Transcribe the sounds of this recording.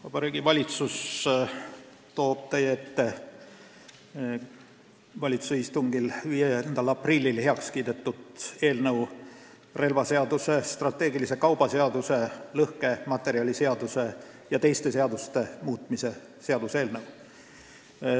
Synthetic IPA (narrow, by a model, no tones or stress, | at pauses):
vɑb̥ɑɾiːɡ̥ivɑlʲit̪sus | t̪o̞ːb̥̚t̪ejeet̪ːe | vɑlʲit̪susist̪uŋɡilvijend̪̥ɑlɑprilʲːilheɑkskiːd̪e̞t̪ːˑud̪e̞ːlnɤw | re̞lvɑse̞ɑd̪use̞st̪rɑt̪ːˑe̞ːɡilise̞kɑwb̥ɑse̞ɑd̪̥use̞lɤhke̞mɑt̪ːˑe̞ɾiɑlʲise̞ɑd̪̥use̞ | jɑt̪e̞jst̪e̞se̞ɑd̪ust̪e̞muːt̪ˑmise̞ | se̞ɑd̪use̞ːlnɤw